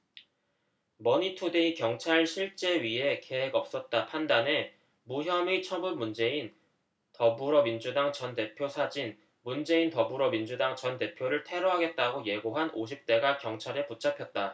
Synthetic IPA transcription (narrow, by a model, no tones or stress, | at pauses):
mʌɲitʰudeikjʌŋt͡ɕʰaɭɕʰiɭt͡ɕ͈e̞ɥiɦe̞ke̞ɦe̞ɡʌp̚s͈ʌt̚t͈apʰandane̞ | muɦjʌmet͡ɕʰʌbunmund͡ʑe̞in | tʌbuɾʌmind͡ʑudaŋt͡ɕʌnte̞pʰjosʰad͡ʑin | mund͡ʑe̞intʌbuɾʌmind͡ʑudaŋt͡ɕʌnte̞pʰjoɾɯɭtʰe̞ɾʌɦaɡe̞t̚t͈aɡoje̞ɡoɦanʔoɕ̬ʰip̚t͈e̞ɡakjʌŋt͡ɕʰaɾeput͡ɕ͈ʰapʰjʌt̚t͈a